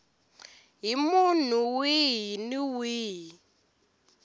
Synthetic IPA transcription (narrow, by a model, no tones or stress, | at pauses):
ɦimun̤uwiɦiniwiːɦi